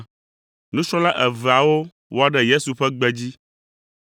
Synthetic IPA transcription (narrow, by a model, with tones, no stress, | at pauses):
nũ˦t͡ʃɾɔ̃˦la˦ʔɛ˨vɛ˨a˨wo˦ | wʔo˦a˨ɖɛ˦je˦su˨ɸɛ˦ɡ͡bɛ˦d͡ʑi˦